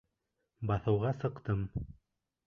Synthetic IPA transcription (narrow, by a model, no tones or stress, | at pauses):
bɑθɤ̆wʁɑsɤ̆qt̪ɤm